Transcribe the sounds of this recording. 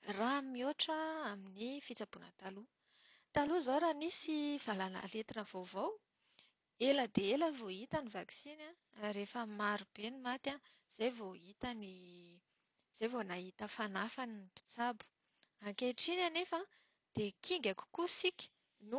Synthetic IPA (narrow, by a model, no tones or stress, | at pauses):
ramioʈ͡ʂəaminifit͡sabunə̰t̪alu | t̪aluzowɾanisiv̥alana̰let̪inəv̥owvow | eləd̪eeləvoit̪ənivaksina | ɾefəmaɾub̥enimat̪a | z̥ejvoit̪əni | z̥ejvonaɦit̪əfanafaninibi̥t͡sabu̥ | aŋkeʈ͡ʂinanefa | d̪̥ekʰiŋɡʲaku̥kusikʲi̥ | nu